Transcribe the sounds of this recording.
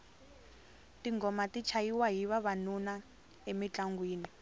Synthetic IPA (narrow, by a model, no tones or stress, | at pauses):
tiŋɡɔmatit͡ʃʰaiwaɦiβaβanuna | emit͡ɬʼaŋɡwiːni